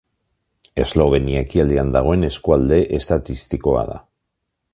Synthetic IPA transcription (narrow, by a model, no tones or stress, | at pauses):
e̞zlo̞β̞e̞niaekiald̪eand̪aɣ̞o̞e̞ne̞skuald̪e̞ʔe̞st̪at̪ist̪iko̞a̰ða̰